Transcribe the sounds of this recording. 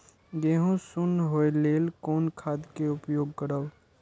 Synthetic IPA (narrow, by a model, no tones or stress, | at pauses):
ɡeːɦõsʊnɦoːeleːlkoːnkʰaːd̪keʊpjoːɡkəɾəʋ